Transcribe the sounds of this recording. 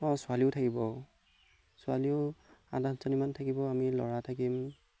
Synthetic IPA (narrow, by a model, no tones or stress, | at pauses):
ɔsʊaliʊtʰakibɔ | sʊaliʊadanzɔnimantʰakibɔamilɔ̰ɹatʰakim